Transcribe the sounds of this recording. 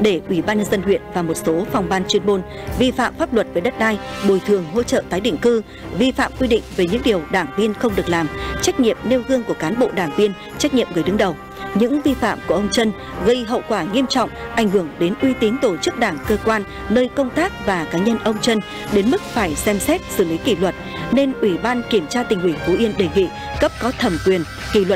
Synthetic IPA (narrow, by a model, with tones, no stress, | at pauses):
ɗe˧˩ʔwi˧˩ɓaː˧nɲə˧nzə˧nhwḭ˧˨ənvaː˨˩mo˨˩t̚so˨˦fɔ˧wŋ͡mvaː˧nt͡ɕwi˧ənɓo˧n | vi˧fa̰ː˧˨mfaː˦˥p̚lwə˨˩t̚ve˨˩ɗə˦˥t̚ɗaː˧jɓo˨˩jt̪ʰɨ˨˩əŋɦo̰˧˥t͡ɕə̰ː˧˨t̪aː˨˦jɗḭ˧˨ŋ̟kɨ˧ | vi˧fa̰ː˧˨mkwi˧ɗḭ˧˨ŋ̟ve˨˩ɲɨ̰˧˥ŋɗi˨˩əwɗaː˧˩ŋvi˧ənxə˧wŋ͡mɗɨ˨˩ək̚laː˨˩mt͡ɕa˦˥k̚ɲḭ˧˨əmne˧wɣɨ˧əŋku˧˩əkaː˨˦nɓo̰˧˨ɗaː˧˩ŋvi˧ən | t͡ɕa˦˥k̟̚ɲḭ˧˨əmɣɨ˨˩jɗɨ˨˦ŋɗə˨˩w | ɲɨ̰˧˥ŋvi˧fa̰ː˧˨mku˧˩əʔə˧wŋ͡mt͡ɕə˧n | ɣə˧jɦə̰˧˨wkwaː˧˩ŋi˧əmt͡ɕɔ̰˧˨wŋ͡mʔa˧˩jŋ̟hɨ˧˩əŋɗe˨˦nʔwi˧t̪i˨˦nt̪o˧˩t͡ɕɨ˦˥k̚ɗaː˧˩ŋkəː˧kwaː˧nː | əː˧jkə˧wŋ͡mt̪aː˦˥k̚vaː˨˩kaː˨˦ɲə˧nʔə˧wŋ͡mt͡ɕə˧n | ɗe˨˦nmɨ˦˥k̚faː˧˩jsɛ˧msɛ˦˥t̚sɨ˧˩li˨˦ki˧˩lwə˨˩t̚ne˧nʔwi˧˩ɓaː˧nki˧˩əmt͡ɕaː˧t̪ï˨˩ŋ̟hwi˧˩ŋfu˨˦ʔi˧ənɗe˧˩ŋḭ˧˨ | kə˦˥p̚kɔ˨˦t̪ʰə˨˩mkwi˨˩ən | kḭ˧˩lwə˨˩